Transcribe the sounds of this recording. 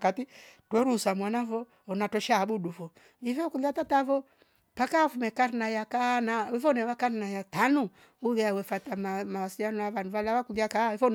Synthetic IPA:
katitwɛɾusamwanavɔ | ɔnatɔʃaɓuduvɔ | ifɔkuliatatavɔ | pakaafumɛkaɾinajakanawɛfɔnɛwakaɾinajatanu | uɣɛawɛfatamamawasilanavanuvalawakuliakaifɔn

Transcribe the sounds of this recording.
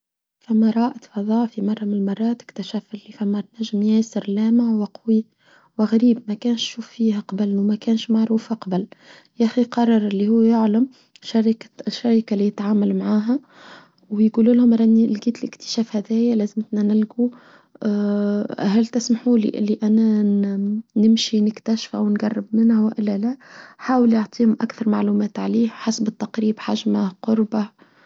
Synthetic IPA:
fæmːæɾˤɑːʔɪt̪fɑðˤɑːʕfimɑrˤːɑmɪnlmɑrˤːɑːt̪ɪ̥kt̪ɪʃæːfɪlːifæmːænæʒːɪmjæːsɪɾlæːmawɪqwi | wɪɣaɾiːbmækæːnʃʃuːfːiːhæqɑbəlnuwmækæːnʃmaʕɾuːfhaqɑbɪl | ʔæxiqɑrˤːɑɾˤɪlːihuːjʊʕlam | ʃaɾkʃːaɾikalijɪt̪ʕaːmalmʕaːɦæ | wjɡuːluːlhʊmɾˤɑnilɡiːt̪ɪlʔɪkt̪ɪ̥ʃæːfhæðæːjælæːzɪmt̪nænɪlɡu | ɦælt̪ɪsmaħuːlḭʔɪ̰lːiʔænæ | nɪmʃinɪkt̪æʃfæ̰wnɡɑrˤːɪbmɪnhæwʔɪlːælæħaːwəljoʕt̪ˤiːhʊmʔa̰kθɑɾˤmaʕluːmæːt̪ʕaliːhħasbɪt̪ːɑqɾiːbħaʒmaqʊɾˤba

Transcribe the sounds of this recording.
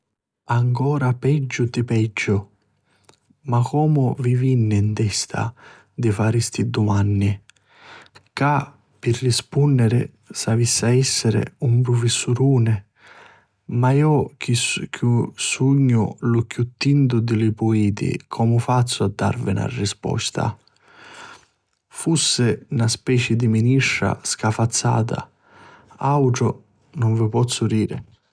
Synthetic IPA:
aŋkɔːɾapɛd͡ʒːʊt̪ɪpɛd͡ʒːʊ | makɔːmʊvivinːɪnt̪ɛst̪ʰa̰ | d̪ɪfaɾist̪id̪umanːi | ka | pɪrːɪspunːɪɾɪ̰ | savisːaɛsːɪɾɪ̰umpɾʊfɪsːuɾuːnɪ | maiɔkiskʰusuɲːʊ̰lʊkjut̪ːint̪ʊd̪ɪlɪpuiːt̪ḭkʰɔmʊfat̪sːʊad̪ːa̰ɾvɪna̰rːispɔ̰st̪a̰ | fusːɪnaspɛːt͡ʃɪd̪iminiʂːa̰skafat̪sːa̰ːt̪̬a̰ | awʈɾʊ | nʊɱvɪpɔt̪sːʊd̪iːɾɪ̰

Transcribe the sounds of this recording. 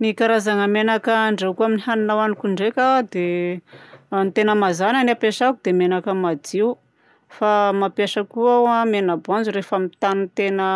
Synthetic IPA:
mikaɾazaŋəmenakəɳɖ͡ʐewkuaminiɦaninawanikuɳɖ͡ʐekʲad̪e | nt̪enəmazananapeʂakud̪emenakəmad͡ziw | famapjaʃəkuawamenabuand͡zuɾefamit̪anint̪enə

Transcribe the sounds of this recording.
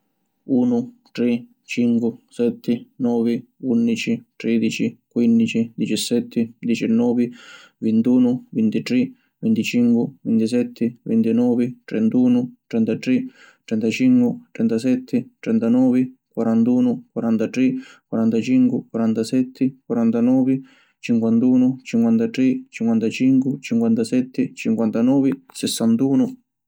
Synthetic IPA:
uːnʊ | t̪ɾɛ | t͡ʃiŋkwɪsɛt̪ʰːɪnɔːvɪunːit͡ʃit̪ɾɛːd̪it͡ʃikwind̪it͡ʃid̪it͡ʃɛsːɛt̪ʰːɪd̪it͡ʃɛnːɔːvɪ | vint̪uːnʊvint̪it̪ɾi | vint̪it͡ʃiŋkwɪvint̪isɛt̪ʰːɪvḭnt̪inɔːvɪt̪ɾɛnt̪uːnʊt̪ɾɛnt̪at̪ɾi | t̪ɾɛnt̪at͡ʃiŋkwɪt̪ɾɛnt̪asɛt̪ʰːɪt̪ɾɛnt̪anɔːvɪkwaɾant̪uːnʊkwaɾant̪at̪ɾikwaɾant̪at͡ʃiŋkɪkwaɾant̪asɛt̪ʰːɪkwaɾant̪anɔːvɪ | t͡ʃiŋkwant̪uːnʊt͡ʃiŋkwant̪at̪ɾɛt͡ʃiŋkwant̪at͡ʃiŋkwʊt͡ʃiŋkwant̪asɛt̪ʰːɪt͡ʃiŋkwant̪anɔːvɪsɛsːant̪uːnʊ

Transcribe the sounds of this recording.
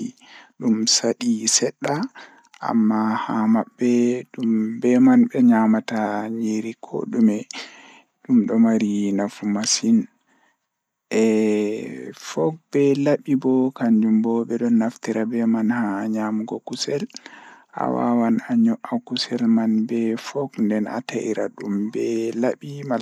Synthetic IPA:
iɗumsaɗisɛɗːa | ʔa̰mːahamabːɛɗumbɛmanbɛɲamataɲiɾikʰo̰ɗumɛ | ɗumɗɔmaɾinafumasin | ʔɛ | fɔk̚bɛlaɓibɔkaɲd͡ʒumbɔbɛɗɔnːaftiɾabɛmanhaɲamuɡɔkusɛlʔa̰wa̰wanaɲɔʔakusɛlmanbɛfɔkndɛna̰taʔiɾa̰ɗumbɛlaɓima

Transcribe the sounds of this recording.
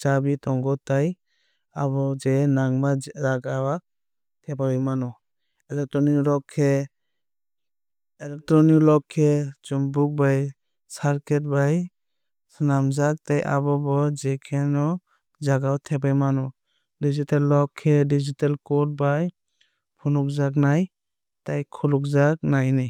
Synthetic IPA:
d͡ʒabitɔŋɡɔtaj | abɔd͡ʒɛnaŋmazaɡawa | tʰɛbajmanɔ | ɛlɛk̚tɾɔnikɾɔkʰːɛ | ɛlɛk̚tɾɔniklɔkʰːɛd͡ʒɔmbuk̚baj | saɾkʰɛt̚baj | sɯnamzak̚tajʔa̰bɔbɔd͡ʒɛkʰɛnɔ | zaɡawtʰɛbajmanɔ | dizitalːɔkʰːɛdizitalkɔt̚baj | pʰunuk̚zak̬̚naj | tajkʰɔluk̚zak̚najnij

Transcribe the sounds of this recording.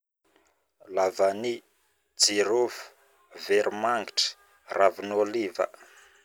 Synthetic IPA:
lavani | d͡ziɾofu̥ | veɾumaŋɡiʈ͡ʂə̥ | ravinolivə̰

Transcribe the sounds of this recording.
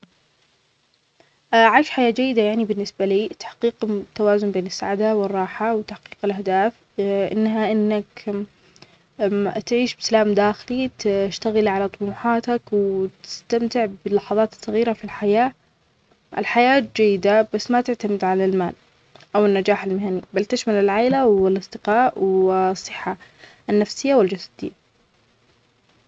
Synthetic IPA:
ʔʕajʃħajaːd͡ʒajːɪd̪ajaʕnibɪnːɪsbaliːt̪ḁħqiːqt̪ːawaːzʊmbeːnɪsːa̰ʕad̪awɪrˤːɑːħawt̪aħqiːqɪlʔahd̪aːf | ʔɪ̰nːɦaʔɪnːak | t̪ʕiːʃbɪsalaːmd̪aːxɪlit̪ʃt̪aɣɪlʕalat̪ˤʊmuːħɑːt̪akwt̪ɪ̥st̪amt̪ɪʕbɪlːɑħɑðˤɑːt̪sˤːɑɣiːɾafilħajaː | ɪ̰lħajaːt̪̚d͡ʒajːɪd̪abasːmat̪ɪʕt̪amɪd̪ʕalalma̰ːl | ʔawɪnːad͡ʒaːħalmɪhanibalt̪ɪʃmalɪlʕaːlawɪlɑsˤd̪ɪqɑːʔwsˤːɨħːa | nːafsɪjːawɪld͡ʒasḁd̪̥ɪjːa

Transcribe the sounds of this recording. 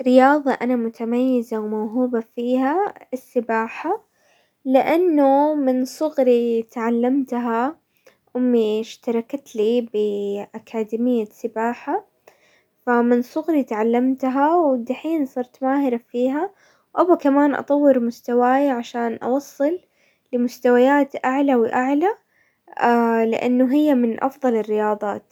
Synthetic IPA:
rɪjɑːðˤɑʔanamʊt̪ʰamajːɪzawmawɦuːbafiːɦaɪsːɪbaːħa | lɪʔanːʊmɪnsˤʊɣɾit̪ʕalːamt̪ɦa | ʔʊmːiʃt̪ɑɾˤɑkt̪libɪʔakʰaːd̪iːmɪjːasɪbaːħa | famɪnsˤʊɣɾit̪ʕalːamt̪ɦawɪd̪aħiːnsˤɑɾˤt̪maːhɪɾafiːɦa | wʔawːakamaːnʔɑ̰t̪ˤɑwːɪɾmʊst̪awaːjaʕaʃaːnʔɑ̰wɑsˤːɨlː | ɪmʊst̪awajaːt̪ʔaʕlawɪʔaʕla | alɪ̰ʔa̰nːʊɦɪjːamɪnʔɑ̰fðˤɑlɪrːɪjɑːðˤɑ̰ːt̪

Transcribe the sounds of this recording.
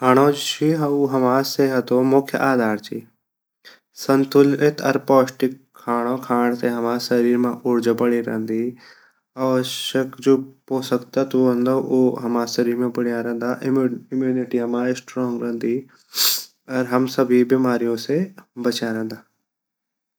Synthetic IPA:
aːɳoːd͡ʒt͡ʃʰiuɦɐmaːseɦət̪omʊkʰjə̰ʔaːd̪aːɾt͡ʃʰiː | sənt̪ʊlɪt̪ʰɐ̰ɾpɔːsʈɪkʰːaːɽ̃okʰaːɽ̃t̪eɦɐmaːsəɾiːɾmãʔʊɾd͡ʒpɐɽiɾɐ̰̃ɦnd̪iː | aːʋəʃəkd͡ʒoːpoːsəkt̪at̪uɦə̃nd̪oʔoɦɐmaːsəɾimẽpəɽijaɾɐ̃ɦnd̪aːʔɪɪmjuːnɪʈiɐmãːesʈɾɔːŋɡɾə̃ɦnd̪iː | ɔɾɦɐmsəbʱibimaːɾijõsebɐt͡ʃjaɾɛ̃nd̪aː

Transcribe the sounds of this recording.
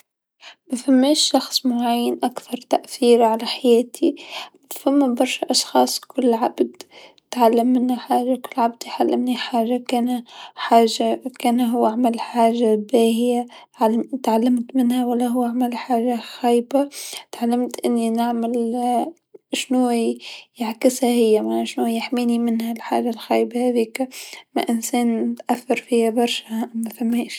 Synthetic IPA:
mafamːeːʃːɑxsˤmʊʕajːanʔakθɑɾˤt̪aʔθiːɾʕalaħajaːt̪ʰi | famːabɑɾˤʃaʔɑʃxɑːsˤkʰʊlːʕabd̪ | t̪ʕalːamːɪnhaħaːʒakʊlːʕab̚d̪iħalːʔa̰mniħaːʒakaːnaħaːʒakaːnaɦʊwːaʕmalħaːʒabaːhɪja | ʕat̪ʕalːamt̪mɪnhawalːaɦʊwːaʕmalħaːʒaxajbat̪ʕalːamt̪ʔɪnːinaʕmal | ʃnuːjaʕkɪshahɪjːamanaʃnuːjaħmiːnimɪnhalħa̰ːʒalxaːjbahaːðiːkma̰ʔɪnseːnt̪ʔaθːɑɾˤfihabɑɾˤʃahaʔmːafamːiːʃ

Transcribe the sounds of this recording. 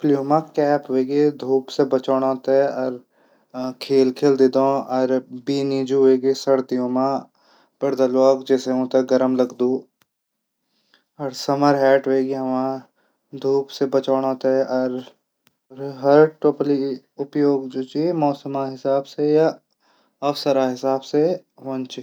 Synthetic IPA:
plijõmãkɛːpɦoeːɡed̪ʱuːpsebɐt͡ʃaːɽ̃ãːt̪eɛɔɾ | kʰeːlkʰeːld̪ed̪õɔːɾbiːniːd͡ʒuɦoeːɡesɐɽt̪ijõmã | b̥ɐɾd̪əloːkd͡ʒɛːseɦõːt̪eɡɐɾəmlɐɡd̪uː | ɔɾsɐməɾɦɛːʈɦeːɡiɦɐmãː | d̪ʱuːpsebɐt͡ʃaːɽ̃ãːt̪eʔɔɾ | ɾɦɐɾʈoːpli | ʊpjoːɡd͡ʒoːt͡ʃemɔːsəmaɦɪsaːbseja | ɐwsəɾaɦɪsaːbseʋɐ̃nt͡ʃi

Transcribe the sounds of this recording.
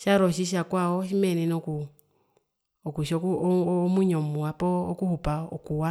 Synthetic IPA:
ʃaɾɔʃiʃ̬akwaɔʃimɛnɛnɔku | ɔkuʃɔkumuɲɔmuwapɔːkuhupaɔkuwa

